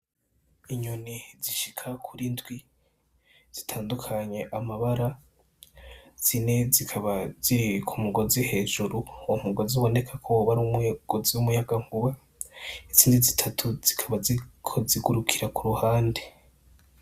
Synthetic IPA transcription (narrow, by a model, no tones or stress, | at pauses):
iɲuniziʃikʰakʰuɾindɡwi | z̥itʰaːndukʰaɲe̞ʔamaβaɾa | z̥ine̞zikʰaβazikʰumuɡozihe̞ːʒuɾuum̥uɡoziβo̞ne̞kʰakʰoβaɾumuɡ̥oziumujaɡaŋ̥uβa | iziːndizitʰatʰuz̥ikʰaβazikʰoziɡuɾukʰiɾakuɾuhaːnde